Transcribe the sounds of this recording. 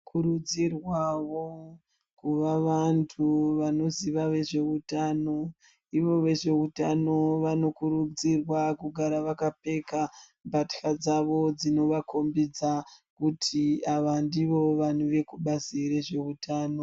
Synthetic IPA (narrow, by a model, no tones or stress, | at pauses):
kʰuɾud͡zirwawo | kuʋaʋantʰuʋano̞ziʋaʋe̞ʐe̞utaːno̞ | iʋo̞ʋe̞ʐe̞utano̞ʋano̞kuɾud͡zirwakuɡʱaɾaʋakape̞ka | mbʱatxad͡zaʋo̞d͡zino̞ʋakʰo̞mbid͡zakutʰiaʋandiʋo̞ʋan̤uʋe̞kuɓaziɾe̞ʐe̞utʰaːno̞